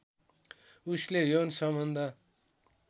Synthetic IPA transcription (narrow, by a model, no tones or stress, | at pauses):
uslejonsʌmʌnd̪ʱʌ